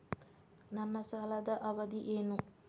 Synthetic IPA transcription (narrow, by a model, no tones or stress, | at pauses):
namɐsalad̪aʔɐʋɐd̪iʔeːnu